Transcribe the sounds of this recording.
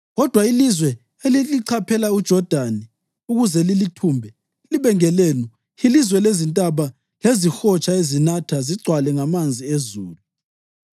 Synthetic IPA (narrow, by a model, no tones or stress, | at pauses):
ɣɔd̥ʱwailizwɛ | eliliǀʰapʰɛlaud̥ʒ̥ʱɔd̥ʱani | uɣuzɛlilitʰuːmbʱɛ | liβɛŋɛleːnu | ilizwɛlezintʼaβa | lezixɔt͡ʃʼaezinatʰaziǀʱwalɛŋamand͡zʱiezuːlu